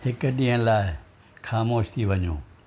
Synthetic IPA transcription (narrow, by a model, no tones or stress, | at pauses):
hɪkʊ̆ɗĩːɦə̃laːɪ | xaːmoːʃt̪ʰiʋɐɲõː